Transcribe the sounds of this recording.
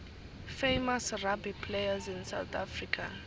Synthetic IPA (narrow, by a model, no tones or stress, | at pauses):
fejmasrabipʰlejazinsawt̪ʰa̰frikʰa